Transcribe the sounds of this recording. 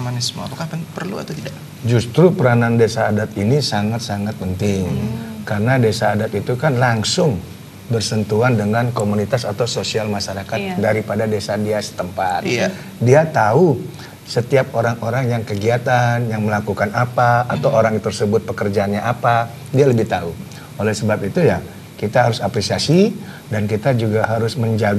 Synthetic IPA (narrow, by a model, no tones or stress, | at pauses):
manasmo̰apakapanpərlṵa̰t̪ut̪idaʔ | d͡ʒust̪ɾupəɾanandesaːdat̪inisaŋat̪̚saŋat̪̚pənt̪ɪŋkarnadesaːdat̪it̪ukanlaŋsʊŋ | bərsənt̪uandəŋankomunit̪asat̪awsosialmaʃaɾakat̪̚daɾipadadesadiasə̥t̪əmpat̪̚ | diat̪au | sət̪iap̚oɾaŋoɾaŋjaŋkəɡiat̪anjaŋməlakukanapaːt̪awoɾaŋt̪ərsəbʊt̪̚pəkərd͡ʒaːnɲaʔapa | dialəbɪht̪au | olɛhsəbapit̪uja | kit̪aɦaɾʊsapɾesiasi | dankit̪ad͡ʒuɡaɦaɾʊsməɲd͡ʒaɡ